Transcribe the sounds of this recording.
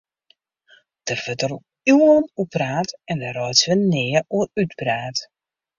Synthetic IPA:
d̥ərvətər | uənupraːtɛndəɾɔjtʋənɪːəuəytbraːt

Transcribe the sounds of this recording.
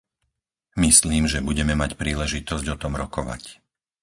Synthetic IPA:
misliːmʒɛbuɟɛmɛmacpɾiːlɛʒit̪ɔzɟɔt̪ɔmɾɔkɔʋa̰c

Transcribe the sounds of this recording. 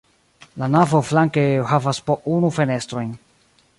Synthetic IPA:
lanavo̞flaŋkehavaspoʔunufe̞ne̞stɾo̞jn

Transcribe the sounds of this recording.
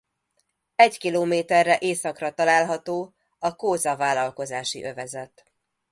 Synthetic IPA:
ɛɟkiloːmeːt̪ɛrːɛʔeːsɒkrɒt̪ɒlaːlɦɒt̪oː | ɒkoːzɒvaːlɒlko̞zaːʃḭʔø̞vɛzɛt̪

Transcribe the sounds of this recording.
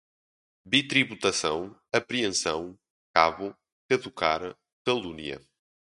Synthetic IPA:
bit̪ɾiβut̪ɐsɐ̰̃w̃ɐpɾiẽsɐ̃w̃ | kaβʊ | kɐðukaɾɐ | kɐlˠuniɐ̰

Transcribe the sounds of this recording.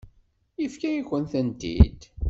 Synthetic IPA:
ifkæjiçənθænt̪ḭd̪

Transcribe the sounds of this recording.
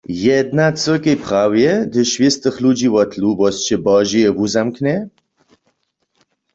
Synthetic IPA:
jɛd̪nat͡sʼəkʼəjpʰχawjɛd̪əʃvist̪əχlud͡ʒiwɐt̪ʰlubɔst͡ʃʰɛbɑːʒiɛbuzamkʰnɛ

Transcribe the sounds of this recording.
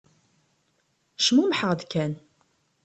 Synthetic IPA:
ʃmumħəʁd̪kæn

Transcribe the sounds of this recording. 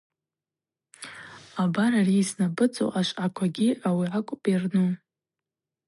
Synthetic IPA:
abaɾariːsnabɨt͡sʼo̰ʔaʃʷʼakʷʰaɡʲiawiakʷʼpʼirnu

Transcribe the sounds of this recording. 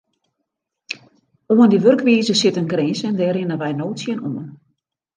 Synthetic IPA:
oəndiʋørkʋiːzəsɪtənɡrɪːsɛndɛːɾɪnəʋɛjnoːtsjənomən

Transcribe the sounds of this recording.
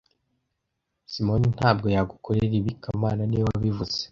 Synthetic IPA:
simo̞nin̥haːbɡo̞jaɡukʰoɾeɾiβikʰamaːnaniwaβivuz̥e̥

